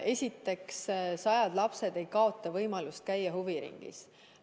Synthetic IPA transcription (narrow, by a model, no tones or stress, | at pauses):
e̞sʲit̪ːˑe̞kssɑjɑd̪̥lɑpse̞d̪̥e̞jkɑo̞t̪ːˑɑvɤjmɑlust̪̚kæjːɑɦuviɾḭŋɡ̥ḭs